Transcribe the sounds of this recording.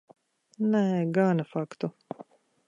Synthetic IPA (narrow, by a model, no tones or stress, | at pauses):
nɛːɡaːnafakt̪u